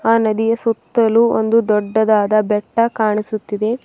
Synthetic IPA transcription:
aːnɐd̪ijɐsut̪ːɐluo̰nd̪ud̪ɔɖːɐd̪aːd̪ɐbɛʈːɐkaːɳisut̪ːid̪e̞

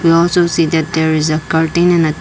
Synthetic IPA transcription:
wiɔlsosid̪ɛt̚d̪ɛɹizəkəɹʈĩnɛ̃nə

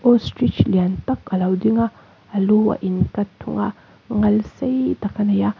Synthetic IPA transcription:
ostɾit͡ʃlijantɐkɐlawdiŋɐː | luwa̰ʔinkɐtʰːṵŋɐ | ŋɐlsɐjdɐkʰɐnɐja

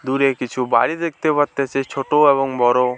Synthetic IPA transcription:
d̪uɾekit͡ʃʰuba̰ɽid̪ek̚ʰt̪epaɾt̪et͡ʃʰet͡ʃʰoʈoeβɔŋbʱɔɾo

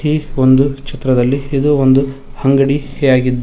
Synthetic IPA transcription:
iond̪ut͡ʃit̪ɾɐd̪ɐlːiːd̪uond̪uhɐŋɡɐɽijaːɡid̪ː

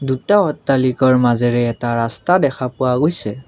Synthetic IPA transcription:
dutaɔtːalikɔɹmazɛɹɛːtaɹastadɛxʰapʊaɡojsɛ

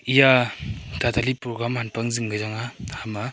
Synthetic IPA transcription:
ijatatʰalipɾoɡɾamhanpaŋzɯŋɡɯzaŋahama

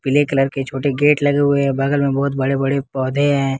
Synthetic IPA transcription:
pɪlekɐləɾket͡ʃʰoːʈeɡeːʈlɐɡeɦʊeɦɛ̃bɐɡəlmẽbɔːʊt̪̚bɐɽebɐɽepɔːd̪ʱeɦɛ̃ː

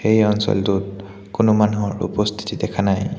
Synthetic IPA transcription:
xejɔnsɔ̰ltʊt | kʊnʊmanuɦɔɹṵpɔstʰi̥tidɛkʰanaj

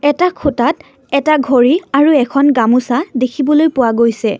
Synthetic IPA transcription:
ɛtakʰʊtat | ɛtaɡʱoɹiaɹuɛkʰɔnɡamusadekʰibɔlojpʊwaɡojsɛ

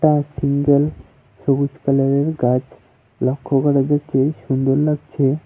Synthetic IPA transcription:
ʈasiŋɡəl | sobut͡ɕkalaɾeɾɡad͡ʑ | lɔkʰːoɡaɽad͡ʑat͡ɕeɕund̪oɾləɡt͡ɕʰe

